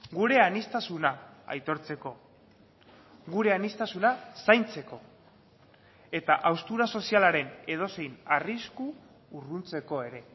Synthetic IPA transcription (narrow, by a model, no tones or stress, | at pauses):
ɡuɾe̞anist̪asunaa̰jt̪o̞ɾt͡se̞ko̞ | ɡuɾe̞anist̪asunasajnt͡se̞ko̞ | e̞t̪aʔawst̪uɾaso̞sialaɾe̞ne̞ð̞o̞se̞jnariskuː | runt͡se̞ko̞e̞ɾe̞